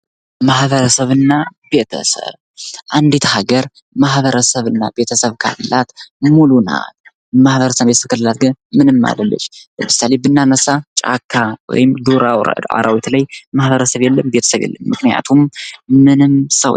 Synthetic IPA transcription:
mahβəɾəsəβɨnːab̥e̞t̪ʰə̰sə̰β | ʔand̪it̪ʰhaɡəɾ | mahβəɾəsəβɨnːa̰be̞t̪ʰəsəβkʰa̰lːɨlat̪muluna̰t̪̚ | mahβəɾəsəbet̪əsəβkʰalɨlat̪̚ɡɨnmɨnɨmːa̰ləlːɨ̰ʃmɨsalebɨnːanəsat͡ʃʼa̰kʰːawɔ̰jɪmd̪uɾaw̰a̰ɾawit̪lajmahβəɾəsəβjɛlːəmbet̪ʰəsəβjɛ̰lːəmːɨknija̰t̪ʰumːɨnɨmsə̰w

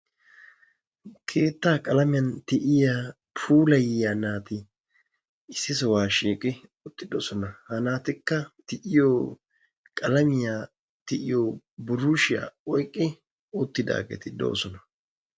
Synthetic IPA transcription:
kʰe̞ːt̪ːaːkʼɐlɐmɪjɐnt̪ɪʔɪjaː | pʰuːlɐjɪjaːnaːt̪ɪ | ɪsːɪsɔwaːʃiːkʼɪʊt̪ːɪd̪oːsɔnɐhɐnaːt̪ɪkːɐt̪ɪʔɪjoː | kʼɐlɐmɪjaː | t̪ɪʔɪjoː | bʊrʊʃɪja̰ːɔjkʼːɪ | ʊt̪ːɪd̪a̰ːɡɛ̰t̪ɪd̪o̞̰ːsɔnɐ̥

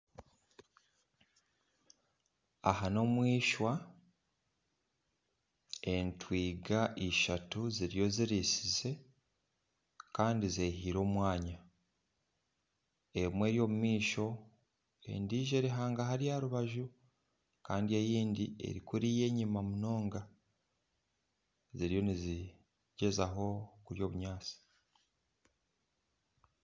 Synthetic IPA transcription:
a̰hano̞ːmwiːʃwa | e̞ntwiːɡaʔiʃatuziɾijo̞ziɾisize̞ | kaːndizehiːɾo̞ːmwaːɲa | e̞mwe̞ːɾjo̞ːmumiːʃo̞ | e̞̰ndiːʒe̞ɾiɦaːŋɡaɦaɾijaɾuβaʒu | kaːndie̞jiːndie̞̰ɾikuɾije̞ːɲimamuno̞ːŋɡa | ziɾijo̞nizi | ɟe̞zaɦo̞kuɾjo̞ːβuɲaːt͡si̥

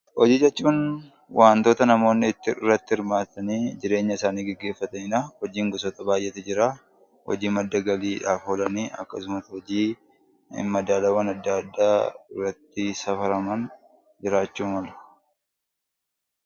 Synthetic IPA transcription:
hɔd͡ʒiːd͡ʒɛt͡ʃːuːn | waːnt̪o̞ːt̪ɐnɐmo̞ːnːɪːt̪ːɪrːɐt̪ːɪhɪɾmaːt̪ɐniːd͡ʒɪɾe̞ːɲːɐɪsaːniːɡɛɡːe̞ːfːɐt̪ɐɪnahɔd͡ʒiːŋɡʊs̬ɔt̪ɐbaːjʔːɛt̪ɛd͡ʒɪɾa | hɔ̰d͡ʒiːmɐd̪ːɐɡɐliːᶑaːfolɐniːʔɐ̰kːɐsʊmɐt̪hɔd͡ʒiː | mɐd̪aːlɐwɐnɐd̪ːɐɐd̪ːaːɪrːɐt̪ːɪsɐfɐɾɐmɐn | d͡ʒɪɾaːt͡ʃːuːmɐlʊ̥

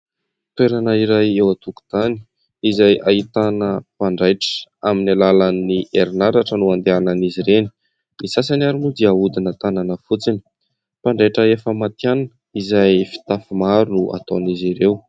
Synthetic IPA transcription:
t̪weɾanəiɾajewat̪uku̥z̥ani̥ | izajʔait̪anəpaɳɖ͡ʐajʈ͡ʂə̥aminalalanːiʔeɾinaɾaʈ͡ʂənuand̪eananiziɾeni̥ | misas̬anaɾumud̪iaud̪inət̪ananəfut͡sini̥ | paɳɖ͡ʐajʈ͡ʂəefəmat̪jananə | izajfi̥t̪afimaɾunuʔa̰t̪oniziɾew

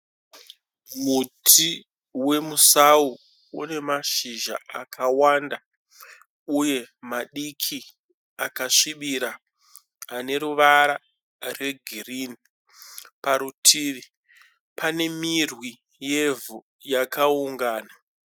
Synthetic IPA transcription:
mutʰi | we̞musau | une̞maʃiʒa̰akʰawanda | uje̞maɗikʰi | akaʂiɓiɾaː | ne̞ɾuʋaɾa | re̞ɡʱirini | paɾutʰiːʋi | pane̞mirwi | jevu | jakauŋɡaːna

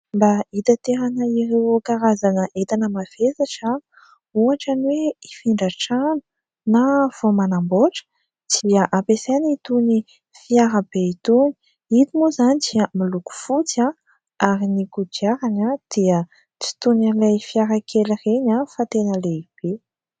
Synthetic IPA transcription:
mbait̪at̪eɾanəiɾewkaɾazanəʔet̪anəmav̥esaʈ͡ʂa | uaʈ͡ʂaniweifiɳɖ͡ʐaʈ͡ʂanə̥ | nav̥omanamboʈ͡ʂə̥ | d̪̥iaʔapesenit̪uni | fiaɾəb̥eit̪uni̥ | it̪imuzanid̪iəmiluku̥fut͡sa | aɾinikud͡ʒiaɾanad̪̥iə | t͡si̥t̪unanlajfiaɾəkʰelireɲafat̪enəleib̥e

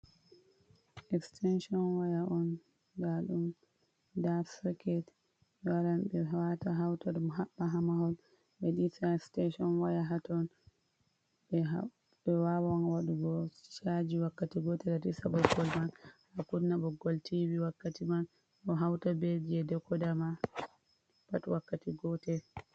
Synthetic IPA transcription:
ʔɛkstʰɛnʃɔnwajaʔɔn | daɗum | dafsakɛt | waɾanbɛɦawataɦawtaɗumɦaɓːaɦamaɦɔl | ɓɛɗitaɛstɛʃɔnwajaɦatɔn | bɛ | ɓɛwawanwaɗuɡɔt͡ʃad͡ʒiwakːatiɡɔtɛlatisabɔɡɔlman | akunnːabɔɡɔltiwiwakːatiman | ʔɔɦawtabed͡ʒiɛdɛkːɔdama | patwakːatiɡɔtɛ

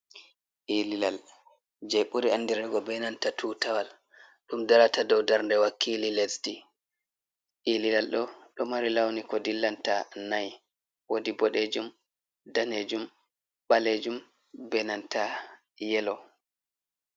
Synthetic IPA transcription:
ʔililal | d͡ʒeɓuɾianːdiɾɛɡɔbɛnantatʰutawal | ɗumdaɾatadɔwdaɾndɛwakʰːililesdi | ʔililalɗɔɗɔmaɾilawnikɔdilːantanaj | wodibɔɗed͡ʒum | daned͡ʒum | ɓaled͡ʒum | bɛnanta | jɛlɔ

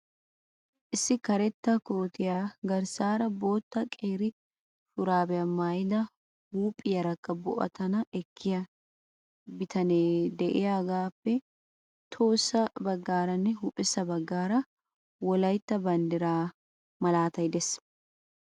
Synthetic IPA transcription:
ʔɪsːɪkɐɾɛt̪ːɐkoːt̪ɪjaɡɐɾsaːɾɐbo̞ːt̪ːɐkʼeːɾɪ | fʊɾaːbɛɐmaːjlɐ | huːpʼɪjɐɾɐkːɐbɔ̰ʔɐ̰t̪ɐnɐɛkʰːɪjɐ | bɪt̪ɐneːd̪ɛʔɛjaːɡaːpːɛ | t̪ʰo̞ːsːɐbɐɡːaːɾɐnːɛɦuːpʼɪsːɐbɐɡːaːɾɐ | wɔlɐjt̪ːɐbɐnd̪ɪɾaː | mɐlaːt̪ɐjd̪ɛs

